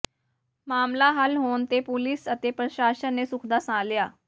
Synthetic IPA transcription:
maːmlaɦəlɦoːnt̪epulisət̪epɾəʃaːʃənːesʊkʰd̪asãːljaː

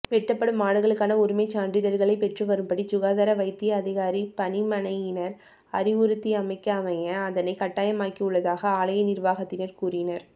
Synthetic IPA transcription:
ʋɛʈːɐpːɐɽɯmːaːɽɯɣɐɭɯkːaːnɐʊɾɯmɐɪt͡ʃaːɳɖɪðɐɾɣɐɭɐɪpɛʈrɯʋɐɾɯmpɐɽit͡ʃʊɣaːðaːɾɐʋɐɪt̪ːɪjɐɐðɪɣaːɾipɐnɪmɐnɐjɪnɐɾ | ɐɾɪʋʊɾɯt̪ːiɐmɐɪkːɐːmɐjɐːðɐnɐɪkɐʈːaːjɐmaːkːiɯɭːɐðaːɣɐaːlɐjɐnɪɾʋaːɣɐt̪ːɪnɐɾkuːrɪnɐɾ

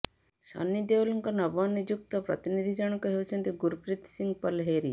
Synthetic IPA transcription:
ʃɔ̰nːid̪eolɔŋkɔnɔbɔnːid͡ʒuk̚t̪ɔpɾɔ̰t̪inid̪ʱid͡ʒɔɽ̃ɔkɔɦewt͡ʃʰɔnt̪iɡuɾpɾit̪siŋɡpɔlɦeɾi

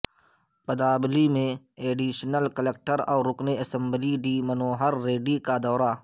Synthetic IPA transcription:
pɐd̪aːblimẽ | eːɖiːʃnəlkɐlek̚ʈəɾɔːɾʊkneɐsə̃mbliɖiːmɐnoːɦɐɾːeːɖikad̪ɔːɾa

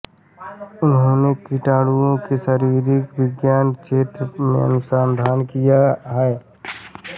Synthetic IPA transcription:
ʊnɦõːnekiʈaːɽuõkeʃəɾiːɾɪkʋɪɡjaːnt͡ʃeːt̪ɾmḛ̃ɐ̰nʊsaːnd̪ʱaːnkijaɦɛː

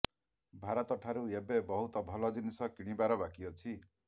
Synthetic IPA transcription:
bʱaɾɔt̪ɔʈʰaɾuebebɔɦut̪ɔbʱɔlɔd͡ʒinisɔkiɽ̃ibaɾɔbakiɔt͡ʃʰi

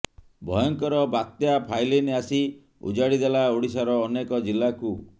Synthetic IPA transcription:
bʱɔjɔŋkɔɾɔbat̪japʰajleniasi | ṵd͡ʒaɽid̪elaoɽisaɾɔːnekɔd͡ʒilːaku

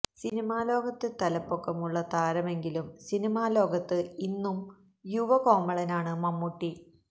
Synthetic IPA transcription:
sinimaːlo̞ːɡɐt̪ːɨt̪ɐlɐpːokːɐmuɭːɐt̪aːɾɐme̞ŋɡilumsinimaːlo̞ːɡɐt̪ːɨinːum | juʋɐko̞ːmɐɭɐnaːɳɨmɐmːuʈːi

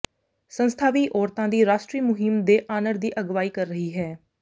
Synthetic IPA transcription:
sənst̪ʰaːʋiːʔɔːɾt̪ãːd̪iːɾaːʃʈɾiːmʊɦɪmd̪eːʔaːnəɾd̪iːʔəɡʋaːiːkəɾːəɦiːɦɛː

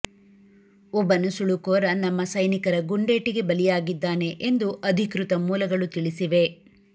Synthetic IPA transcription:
ɔbːɐnːusuɭukoːɾɐnɐmːɐsɐjnikɐɾɐɡuɳɖe̞ːʈiɡe̞bɐlijaːɡid̪ːaːne̞ʔend̪uʔɐd̪ʱikɾut̪ɐmuːlɐɡɐɭut̪iɭisiʋe̞

